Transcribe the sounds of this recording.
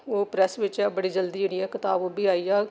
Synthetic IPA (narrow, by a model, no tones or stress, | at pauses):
oːpɾɛsʋɪt͡ʃɛːbəɽiːd͡ʒəld̪iːd͡ʒeːɽiːɛːkɪt̪aːbobiːaːiːɛː